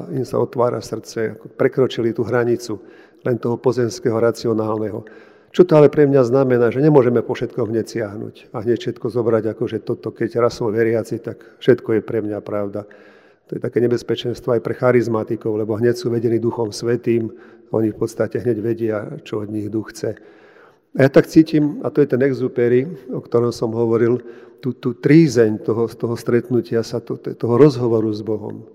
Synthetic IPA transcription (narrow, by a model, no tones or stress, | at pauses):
insa̰ɔt̪ʋaːɾa̰sr̩t͡sɛa̰kɔpɾɛkɾɔt͡ʃilit̪uɦɾaɲit͡su | lɛnt̪ɔɦɔpɔzɛmskɛɦɔɾat͡siɔnaːlnɛɦɔ̰ | t͡ʃɔt̪ɔalɛpɾɛmɲaznamɛnaːʒɛɲɛmʊɔʒɛmɛpɔfʃɛt̪kɔmɦɲɛcsɪaɦnṵcaɦɲɛcfʃɛt̪kɔzɔbɾaɟakɔʒɛt̪ɔt̪ɔkɛɟɾasɔʋɛɾɪat͡sit̪ak | fʃɛt̪kɔjɛpɾɛmɲapɾaʊd̪a | t̪ɔjɛt̪akɛːɲɛbɛspɛt͡ʃɛnst̪ʋɔajpɾɛxaɾizmat̪ikɔʊlɛbɔɦɲɛcsuːʋɛɟɛniːd̪uxɔmsʋɛt̪iːmɔ̰ɲifpɔt̪st̪acɛɦɲɛɟʋɛɟɪat͡ʃɔɔd̪ɲiɣd̪uxt͡sɛ | ajat̪akt͡siːcimat̪ɔjɛt̪ɛnɛɡzupɛɾiɔkt̪ɔɾɔmsɔmɦɔʋɔɾilt̪uːt̪uːt̪ɾiːzɛɲt̪ɔɦɔst̪ɔɦɔst̪ɾɛt̪nucɪasat̪ɔt̪ɔɦɔɾɔzɦɔʋɔɾuzbɔɦɔ̰m